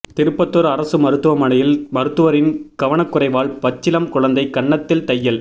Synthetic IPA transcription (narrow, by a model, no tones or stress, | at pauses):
t̪ɪɾɯpːɐt̪ːɔɾɐɾɐsɯmɐɾɯt̪ːɯʋɐmɐnɐjɪlmɐɾɯt̪ːɯʋɐɾɪnkɐʋɐnɐkːʊrɐɪʋaːɭpɐt͡ʃːɪlɐmkʊɻɐnd̪ɐɪkɐɳːɐt̪ːɪlt̪ɐjːɐl